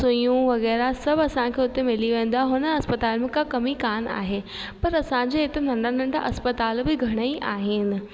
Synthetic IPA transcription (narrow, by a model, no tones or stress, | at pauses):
sʊjũʋɐɣɛːɾasɐbɐsãkʰeːʊt̪ːemɪliʋẽːn̆d̪aɦʊnəɐspət̪aːlmɪ̃kakɐmikaːna̰ːɦe | pɐɾɐsãɲd͡ʑeet̪en̤ɐ̃ɳɖanɐ̃ɳɖa̰ʔɐspət̪aːlbɪɡʱɐɽ̃əiʔa̰ːɦɪnɪ̆